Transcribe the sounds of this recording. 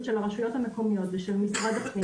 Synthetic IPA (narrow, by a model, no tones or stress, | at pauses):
t̪ʃelaʁaʃujo̞t̪hameko̞mijo̞t̪veʃelmisʁad̪atmi